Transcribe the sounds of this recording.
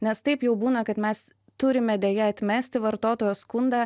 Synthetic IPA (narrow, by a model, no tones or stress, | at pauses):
nʲɛst̪ɐɪpjɛʊbuːnɐkɐt̪mʲɛs | t̪ʊɾʲɪmʲɛd̪ʲeːjɛɐt̪ʲmʲæːsʲt̪ʲɪʋɐɾt̪oːt̪oːjoskʊnd̪ɑː